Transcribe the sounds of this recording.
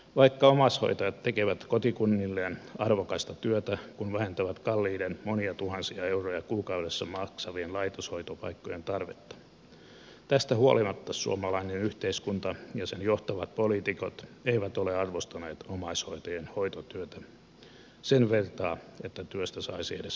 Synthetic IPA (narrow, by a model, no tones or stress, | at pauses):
ʋɑikːɑomɑsho̰it̪ojɑt̪t̪ːekeʋæt̪kot̪ikunːilːeːnɑrʋokɑst̪ɑt̪yøt̪ækunʋæhent̪æʋæt̪kɑlːiːdenmoniɑt̪uhɑnsiɑeurojɑkuːkɑuɾesːɑmɑksɑʋienlɑit̪oshoit̪opɑ̰ikːojent̪ɑrʋet̪ːɑ̥ | t̪æst̪æhuo̰limɑt̪ːɑsṵomɑlɑinenyht̪eiskunt̪ɑjɑsenjoht̪ɑʋɑt̪̚poliːt̪ikot̪eiʋæt̪oleɑrʋost̪ɑneːt̪omɑishoit̪ojenhoit̪ot̪yøt̪æ | senʋert̪ɑːet̪ːæt̪yøst̪æsɑ̰isiedes